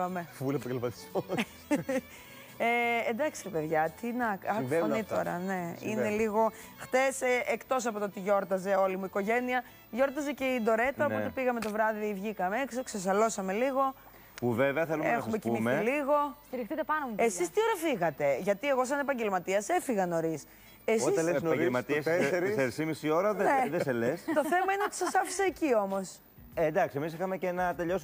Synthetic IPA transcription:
ɐmevulepɐɟelmɐt̪i̥so | eːnd̪ɐksiɾipeðʝɐt̪inɐkɐkonit̪o̞ɾɐ̰ne̞ḭneliɣo̞ | xt̪e̞sekt̪o̞s̬ɐpot̪oot̪iʝo̞ɾt̪ɐze̞o̞limuiko̞ʝe̞niɐ | ʝo̞ɾt̪ɐzeceid̪o̞ɾe̞t̪ɐoo̞t̪epiɣɐme̞t̪o̞vɾɐðiivʝikɐmeeksokses̬ɐlo̞sɐme̞liɣo̞ | puveveɐθelumeɐxsɐmeciumimmeiliɣo̞st̪iɾixt̪it̪epɐnouesist̪io̞ɾɐfiɣɐt̪e̞ʝɐt̪ie̞ɣo̞s̬ɐnepɐɲɟe̞lmɐt̪iɐse̞fiɣɐno̞ɾis | essɐelmɐt̪iɐsseɾsimisio̞ɾɐðneðeselest̪o̞θe̞mɐineot̪i̥sɐsɐfi̥sɐecio̞mo̞s | end̪ɐksiemis̬ixɐmecenɐt̪eʎo̞su

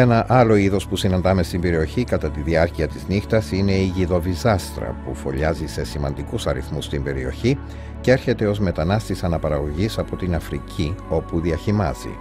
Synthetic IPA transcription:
e̞nɐʔɐlo̞iðo̞spusinɐnd̪ɐme̞st̪imbe̞ɾio̞çikɐt̪ɐt̪iðiɐɾciɐt̪iznixt̪ɐsine̞iʝiðo̞vizɐst̪ɾɐ̰pufo̞ʎɐzise̞simɐ̰nd̪ikusɐɾḭθmust̪imbe̞ɾio̞çi | cee̞ɾçe̞t̪e̞o̞zme̞t̪ɐnɐst̪isɐnɐpɐɾɐɣo̞ʝisɐpo̞t̪inɐfɾicʰio̞puðiɐçimɐ̰z̥ḭ

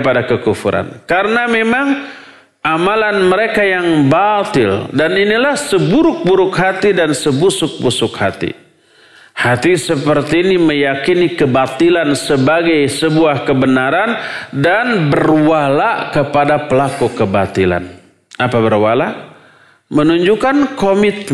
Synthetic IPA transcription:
padakəkufṵɾʔa̰nkaɾənamemaŋ | ʔamalanməɾekajaŋbat̪ɪ̰ldaninilahsəbuɾʊk̚buɾʊkɦat̪idansəbusʊk̚busʊkhat̪ḭ | hat̪isəpərt̪iːniməjakinikəbat̪ilansəbaɡajsəbuahkəbənaɾandanbərwalaʔkəpadapəlakukəba̰t̪ila̰n | ʔapabərwala | mənuɲd͡ʒukankomit̪̚

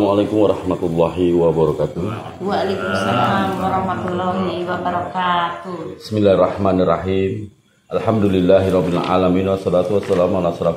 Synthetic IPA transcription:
mualajkʊmwaɾˤɑhmat̪ulːɑɦiwabaɾɔkat̪u | waalajkumsalamwaɾɑhmat̪ulːɔɦiwabaɾakat̪ubismilahɛrːɑhmanirːaɦim | ʔalħamdulilːaɦiɾɔbːilʕa̰laminwasːɔlat̪uwasːalamalasɾaf

